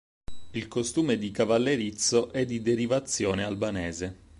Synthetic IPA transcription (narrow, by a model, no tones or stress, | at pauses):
ilkost̪uːmed̪ikavalːeɾit̪soʔɛd̪ːid̪eɾivat̪sːjoːnealbaneːze